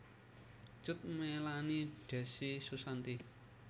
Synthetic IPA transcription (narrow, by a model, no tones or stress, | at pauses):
t͡ʃʊt̪̚melaniɖ̥ɛ̤sisusant̪i